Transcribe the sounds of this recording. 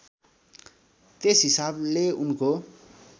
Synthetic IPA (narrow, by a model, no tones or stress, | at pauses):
t̪esɦisableunko